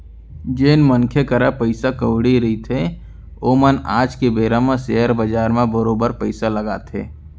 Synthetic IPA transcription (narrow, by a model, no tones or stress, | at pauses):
d͡ʒeːnmənkʰekəɾapəɪsakəʊɽiɾəɦit̪ʰe | oːmənaːd͡ʒkebeːɾamẽseɦəɾbəd͡ʒaːɾmẽbəɾoːbəɾpəɪsaləɡaːt̪ʰḛː